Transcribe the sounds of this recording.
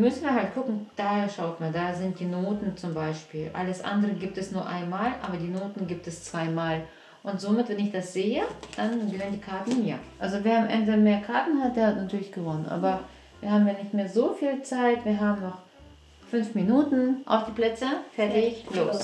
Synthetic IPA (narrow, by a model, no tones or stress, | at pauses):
mʏsn̩viːɐhalt̚kʰʊkŋ̩d̥aːhɐʃaʊtmaːnldaːzɪnt̚d̥iːnoːtn̩t͡sʊmbaɪʃpiːlʔa̰ləsʔa̰ndəʁəɡiːp̚tɛsnuːɐʔa̰ɪnmaːlʔaːbɐdiːnoːtn̩ɡiːp̚tɛst͡sv̥aɪmaːl | ʔʊntz̥omɪtv̥ɛnɪçd̥asz̥eːəd̥anɡəvɪnəndiːkʰaɐtn̩ja̰ʔalzoveːɐamʔɛ̰ndəmeːɐkʰaɐtn̩hat̚d̥eːɐhatnatʰyːɐlɪçɡ̥əvɔnənʔa̰ːbɐ | viːɐhaːbm̩jaːnɪçtmeːɐzoːfiːlt͡saɪtv̥iːɐɦaːbm̩nɔχ | fʏnfminuːtn̩ʔa̰ʊfd̥iːpl̥ɛt͡səfɛɐtɪçloːs